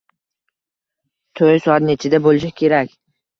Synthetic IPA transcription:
t̪ʰojsʊat̪net͡ʃʰɪd̪abolˠɪʃakʲʰe̞ɾakʲ

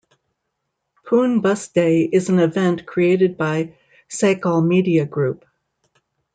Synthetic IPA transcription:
pʰũnbʌsd̥eɪɪzn̩ɨvɛ̃nʔkʰɹ̥ieɪɾɨd̚baɪ | seɪkəlˠmiɾiɨɡɹʉp̚

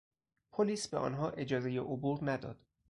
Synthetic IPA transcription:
pʰoliːsbe̞ʔɒ̰ːnɦɒːʔe̞d͡ʒɒːze̞jeʔobuːɾnæd̪ɒ̰ːd̪̥

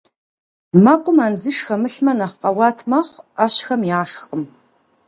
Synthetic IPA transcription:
mɐqʷʼʊmaːnd͡zɨʂxɐmɨɬmɐnɐχqɐwɑːtʰmɐχʷaːɕxɐmjaːʂxqəm

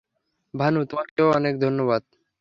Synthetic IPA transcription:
bʱanut̪omakeoɔnekd̪ʱonːoβad̪̚

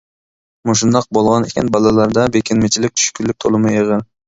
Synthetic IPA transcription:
muʃ̬und̪ɑq̚bolˠʁɑnekʲent̪bɑlˠɑlˠɑɾd̪ɑbekʲenmet͡ʃilik̚t̪ʰy̥ʃkylyk̚t̪ʰolˠumujɯʁɯ

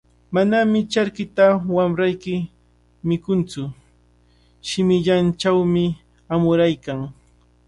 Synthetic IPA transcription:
manamɪt͡ʃaɾkɪt̪awamɾajkɪ | mɪkʊnt͡sʊ | ʃɪmɪʎant͡ʃawmɪ | amʊɾajkaŋ

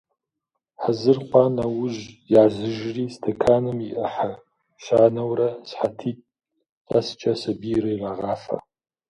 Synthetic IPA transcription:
ħazɨrqʷɑnawʊʒjaːzɨʒriːstʰɐkʰaːnɨmiʔɨħa | ʃaːnɐwrɐsħatʰiːtʼ | ɐ̰st͡ʃʼɐsɐbirɐjraʁaːfɐ̰

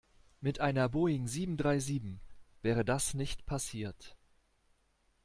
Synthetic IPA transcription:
mɪtʔaɪnɐboːɪŋziːbm̩dʁaɪziːbm̩v̥ɛːʁ̞ədasnɪçtpʰasiːɐt

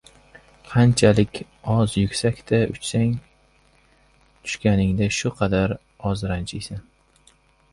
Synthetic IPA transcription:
qʰɑnt͡ʃʰalɪkʲ | ɒzjʊkʲsakʲt̪ʰaʊ̰t͡ʃsaŋ | t̪ʰʊ̥ʃkʲanɪŋd̪aʃʊqʰɑd̪aɾ | ɒzɾant͡ʃʰɪjsan

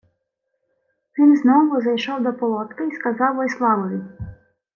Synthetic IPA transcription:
ʋʲinznɔʋʊzɐjʃɔwd̪ɔpɔlˠɔt̪kɪiskɐzɑwɔjslˠɑʋɔʋʲi

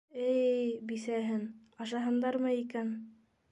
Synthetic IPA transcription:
ɘjbisæɦɘn | ɑʃɑɦɤ̆nd̪ɑɾmɤikæn

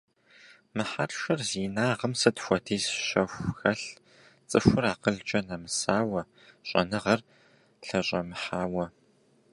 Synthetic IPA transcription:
mɨħarʃɐrziːnaːʁɐmsɨtxʷɔtʰeːzɕɐxʷxɐɬ | t͡sʼɨxʷʊraːqəɮt͡ʃʼɐnɐmɨsaːwɐ | ɕʼɐ̰nɨʁɐr | ɬɐɕʼɐmɨħaːwɐ

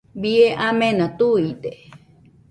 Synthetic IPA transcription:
bieʔamenãt̪uit̪e

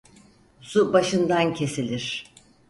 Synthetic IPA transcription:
subaʃɯnd̪ancʰe̞silʲiɾ̥

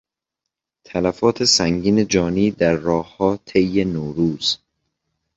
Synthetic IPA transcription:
t̪ʰælæfɒːt̪ʰe̞sæŋɟiːne̞d͡ʒɒːniːd̪æɾːɒːhhɒːt̪ʰejːenoːɾuːz̥

